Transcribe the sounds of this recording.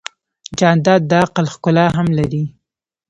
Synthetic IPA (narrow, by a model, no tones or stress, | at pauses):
d͡ʒɑnd̪ɑd̪̚ːɑaqəlxkʊlɑɦamlaɾi